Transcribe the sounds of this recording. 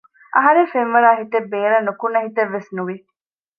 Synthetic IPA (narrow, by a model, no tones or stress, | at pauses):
ʔɐɦɐɾefenʋɐɾaːɦit̪ebːeːɾɐnːukunːɐɦit̪ɐʋːesnuʋi